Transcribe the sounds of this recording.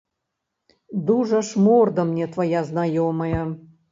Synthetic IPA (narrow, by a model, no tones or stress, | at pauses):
d̪uʐɐʂmord̪ɐmnʲɛt̪vɐjaznɐjomɐjɐ